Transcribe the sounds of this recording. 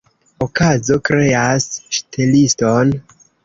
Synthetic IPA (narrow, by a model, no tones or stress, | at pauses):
okazo̞kɾe̞asʃtʰelisto̞n